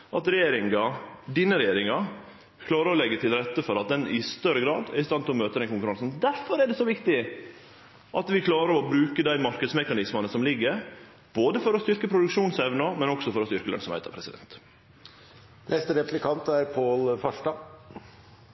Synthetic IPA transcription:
ʔɑt̪ɾɛjeːɾɪŋɑd̪iːnəɾɛjeːɾɪŋɑ | kʰlɑːɾəɾɔlɛɡːət̪ʰɪlɾɛt̪ːəfɔɾɑt̪̚d̪ɛnɪst̪œɾəɡɾɑ̰ːd̪æ̰ɾɪst̪ɑnt̪ɪlɔmøːt̪əd̪ɛnkʊŋkʉɾɑŋsnd̪æɾfɔɾæɖ̪ɛːsɔʋɪkt̪ɪ | ʔɑt̪ʋɪkʰlɑːɾəɾɔbɾʉːkəd̪æɪmɑɾkəd̪smɛkɑnɪsmɑnəsɔmlɪɡːəɾ | b̥oːd̪əfɔɾɔst̪ʏɾkəpʰɾʊd̪ʉkʂuːnsɛʋnəmɛnɔksɔfɔɾɔst̪ʏɾkəlœ̰nsɔmhæ̰ɪə̰pʰɾɛsɪd̪ɛ̰nt̪ | nʔɛst̪əɾɛplɪkʰɑnt̪æɾpʰoːlfɑʂʈɑ

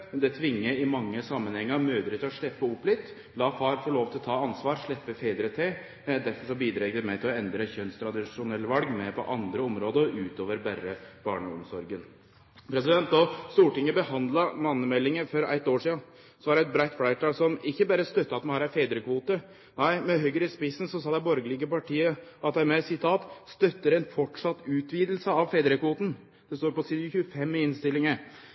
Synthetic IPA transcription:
d̪ɛt̪ʰʋɪŋːəɪmɑŋːəsɑmːənhɛŋːəɾmøːd̪əɾət̪ɔʂɭɛpːəɔpːlɪt̪ | lɑːfɑːɾfɔɭoːʋt̪ɪlɔt̪ʰɑːɑnsʋɑːɾʂɭɛpːəfeːd̪ɾət̪ʰeː | d̪æɾfɔʂɔbiːd̪ɾɛɡd̪əmæɪt̪ʰɪlɔɛnd̪ɾəçœnst̪ʰɾɑd̪ɪʂʊnɛlːəʋɑlɡmɛpʰɔ̰ʔɑnd̪ɾəɔmɾoːd̪əʉːt̪oːʋəɾbærːəb̥ɑːɳəɔmsɔɾɡən | pʰɾɛs̬ɪd̪ɛnt̪ɔst̪uːʈɪŋːəbəhɑnd̪lɑmɑnːəmɛlːɪŋəfɔɾæ̰ɪt̪ːoːʂiːɑ | sɔʋɑɖɛɛt̪̚bɾæɪt̪fɽæɪʈ̪ʰɑːlsɔmɪkːəbæːɾəst̪œt̪ːəɑt̪mɑnhɑːɾæɪfeːd̪ɾəkʰʋuːt̪ə | næɪmɛɦœɡəɾɪspɪsːn̩sɔsɑːd̪æɪbɔɾɡəlɪɡəpɑʈʰiːəɑt̪̚d̪æɪmɛsɪt̪ʰɑːt̪st̪œt̪ːəɾɛnfɔʈʂɑt̪ːʉːt̪ʰʋiːd̪l̩səɑʋfeːd̪ɾəkʰʋuːt̪n̩ | d̪̥ɛst̪oːɾpɔsːçʉəfɛmːɪɪnst̪ɪlːɪŋə

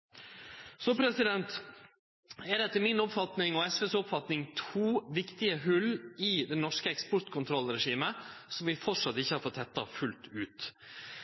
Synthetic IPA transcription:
sɔpʰɾɛsɪd̪ɛnt̪ | ɛɖ̪ɛt̪ːəmɪnɔpfɑt̪nɪŋɔɛsʋɛsɔpfɑt̪nɪŋt̪ʰuːʋɪkt̪ɪəɦʉlɪd̪ɛnɔʂkəɛkspɔɾt̪kʰʊnt̪ʰɾɔlɾɛʂiːməsɔmʋɪfɔʈʂɑt̪ːɪçːəhɑɾfɔt̪ʰːɛt̪ːɑ̰fʉlt̪ʉːt̪

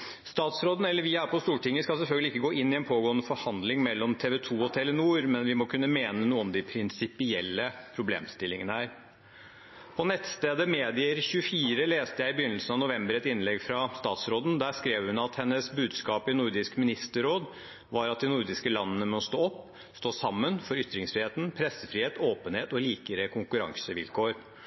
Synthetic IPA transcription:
st̪ɑːt̪sɾoːd̪n̩ɛlːəɾʋɪæpʰɔst̪uːʈɪŋːəskɑlsɛlfœlɡəlɪɪkːəɡoːʔɪnːɪɛnpʰoːɡoːənəfɔɾhɑnd̪lɪŋmɛlːɔmt̪ʰeːʋɛt̪ʰuːɔt̪ʰeːlɛnuːɾmɛnʋɪmɔkʰʉnːəmeːnənuːəɔmd̪ɪpʰɾɪnsɪpɪɛlːəpʰɾʊblḛːmst̪ɪlːɪŋənəæːɾ | pʰɔnɛt̪ːst̪eːd̪əmeːd̪ɪəɾçʉəfiːɾəleːst̪əjæɪɪbəjʏnəlsənɑʋnʊʋɛmbəɾɛt̪ɪnlɛɡfɾɑst̪ɑːt̪sɾoːd̪n̩d̪æːʂkɾeːʋhʉnɑt̪hɛnːəsbʉːd̪skɑːpɪnʊɾd̪ɪskmɪnɪst̪əɾoːd̪ | ʋɑɾɑt̪̚d̪ɪnʊɾd̪ɪskəlɑnːənəmɔst̪oːɔpː | st̪oːsɑmːənfɔɾʏt̪ːɾɪŋsfiheːt̪n̩pʰɾɛsːəfɾiːheːt̪oːpənheːt̪ɔliːkəɾəkʰʊŋkʉɾɑ̰ŋsəʋɪ̰lkʰoːɾ

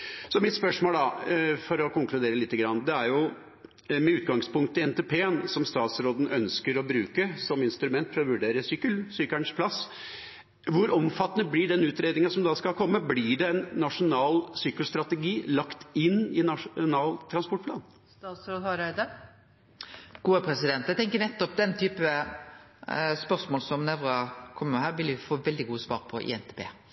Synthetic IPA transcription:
sɔmɪt̪spœʂmoːld̪ɑfɔɾɔkʊŋkʰlʉd̪eːɾəlɪt̪ːəɡɾɑnːd̪ɛæɾjʊ | mɛʉːt̪ɡɑŋspʊŋkt̪əɪɛnt̪eːpʰeːənsɔmst̪ɑːt̪sɾoːd̪n̩œnskəɾɔbɾʉːkəsɔmɪnst̪ɾʉmɛnt̪fɾɔʋʉɖeːɾəsyːkəlsyːkæɳʂpʰlɑs | ʋʊɾɔmfɑt̪ːənəblɪɖɛnʉːt̪ɾeːd̪ɪŋɑsɔmd̪ɑskɑkʰɔmːəblɪɖɛɛnːɑʂʊnɑːlsyːkəlst̪ɾɑt̪ɛɡiːlɑkt̪ɪnːɪnɑʂnɑːlt̪ʰɾɑnspɔʈ̚pʰlɑ̰ːn | st̪ɑːt̪sɾoːd̪hɑɾœɪd̪ə | ɡ̥uːəpʰɾɛsɪd̪ɛnt̪æt̪ɛŋkəɾnɛt̪ːɔpd̪ɛnt̪ʰyːpəə | spœɾsmoːlsɔmnɛʋʁɑkʰɔmːəmɛhæːʁʋɪljɪfoːʋɛld̪ɪɡuːəsʋɑ̰ːɾpʰɔʔɪ̰ːɛnt̪ʰeːpʰḛː

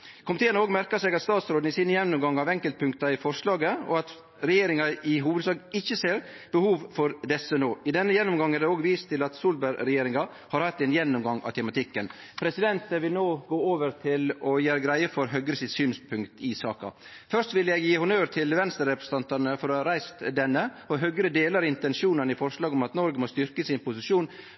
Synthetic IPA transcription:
kʰʊmɪt̪eːənəoːɡmæɾkɑseːɡɑt̪st̪ɑːt̪sɾoːd̪̩ɪsiːnjɛnːʊmɡɑŋːɑʋɛŋkəlt̪̚pʰʉŋkt̪ɑɪfɔɾʂɭɑːɡəɔ̰ɑt̪ | ɾɛjeːɾɪŋɑɪɦuːʋəd̪sɑːɡɪçːəseːɾ | b̥əhuːʋfɔɾd̪ɛsənoːɪd̪ɛnːəjɛnːʊmɡɑŋːæɾɖɛoːɡʋiːst̪ʰɪlɑt̪suːlbæɾɾɛjeːɾɪŋɑ | hɑɾhɑt̪ːɛnjɛnːʊmɡɑŋɑ̰ʋt̪ʰɛmɑt̪ʰɪkːən | pʰɾɛsɪd̪ɛnt̪əʋɪlnoːɡoːoːʋəɾt̪ʰɪlɔjæːɾɡɾæɪəfɔɾɦœɡɾəsɪt̪syːnspʰʉŋkt̪ɪsɑ̰ːkɑ̰ | fœɾʂt̪ʋɪljɛɡjiːhʊnœːɾt̪ʰɪlʋɛnst̪əɾːɛpɾɛst̪ɑnt̪ɑɾnəfɔɾɔɾæɪst̪d̪ɛnːəɔɦœɡɾəd̪eːlɑɾɪnt̪ɛnʂuːnənɪfɔɾʂlɑːɡɔmɑt̪nɔɾɡəmɔst̪ʏɾkəsɪnpʊsɪʂuːn

